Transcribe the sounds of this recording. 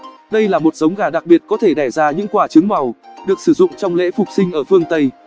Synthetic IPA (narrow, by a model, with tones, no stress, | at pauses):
ɗə˧jlaː˨˩mo˨˩t̚zə˨˦wŋ͡mɣaː˧˩ɗa˨˩k̚ɓi˨˩ət̚kɔ˨˦t̪ʰe˧˩ɗɛ˧˩zaː˧ɲɨ̰˧˥ŋkwaː˧˩t͡ɕɨ˨˦əŋma˨˩wɗɨ˨˩ək̚sɨ˧˩zʊ̰˧˨ŋ͡mt͡ɕɔ˧wŋ͡mlḛ˧˥fʊ˨˩k͡p̚sï˧ŋ̟ʔəː˧˩fɨ˧əŋt̪ə˧j